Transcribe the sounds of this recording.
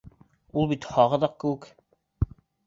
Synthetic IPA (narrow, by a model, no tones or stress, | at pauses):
ulˠbit̪hɑʁɤ̆ðɑq̚kɘ̆wɘk